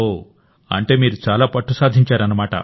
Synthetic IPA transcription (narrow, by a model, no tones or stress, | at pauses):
o | ɐ̰ɳʈe̞ːmiːɾut͡ʃaːlaːpɐʈːusaːd̪ʱiɲt͡ʃaːɾɐnɐmaːʈɐ̰